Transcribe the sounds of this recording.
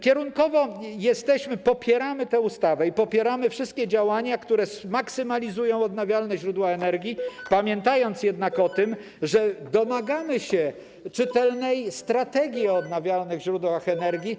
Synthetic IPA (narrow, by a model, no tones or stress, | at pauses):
kʲɛɾuŋkɔvɔjɛst̪ɛɕmɘpɔpʲjɛɾamɘt̪ɛust̪avɛipɔpʲjɛɾamɘfʂɘst̪̚kʲɛd͡ʑawaɲakt̪uɾɛsmaksɘmalʲizujɔ̃w̃ɔd̪navʲjalnɛʑɾud̪waɛnɛɾɡʲjipamʲjɛnt̪ajɔnt̪sjɛd̪nakɔt̪ɘm | ʐɛd̪ɔmaɡamɘɕɛ | t͡ʂɘt̪ɛlnɛjst̪ɾat̪ɛɡʲjiɔːd̪navʲjalnɘɣʑɾud̪waxɛnɛɾɡʲi